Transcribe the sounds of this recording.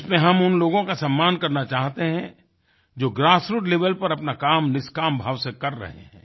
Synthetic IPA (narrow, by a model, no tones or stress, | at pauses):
ʊsmẽɦɐmʊnloːɡõkasɐmːaːnkɐɾnat͡ʃaːɦt̪eɦɛ̃ | d͡ʒoːɡɾaːsɾʊʈleːʋəlpɐɾɐpnakaːmnɪskaːmbʱaːʋsekɐɾːɐ̰ɦḛɦɛ̰̃ː